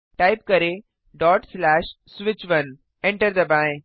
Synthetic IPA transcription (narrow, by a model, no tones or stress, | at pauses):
ʈaɪp̚kɐɾe | ɖɔːʈslɛːʃ | sʋɪt͡ʃʋɐn | ẽɳʈəɾd̪ɐbãj̃